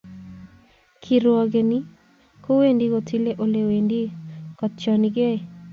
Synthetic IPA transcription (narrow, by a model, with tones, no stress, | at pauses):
kʰi˨ɾɔ˨ɡe˨ni˦ | ko˦we˦ndi˦ko˨tʰi˦le˦ʔo˦le˨we˨ndi˦kɔ˨t̪̚t͡ʃɔ˨niɡe˦